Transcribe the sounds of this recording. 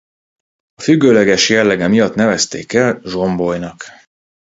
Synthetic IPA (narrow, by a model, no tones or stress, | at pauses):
ɒfyɡːøːlɛɡɛʃjɛlːɛɡɛmijɒt̪nɛvɛst̪ḛːkɛlʒo̞mbo̞jnɒk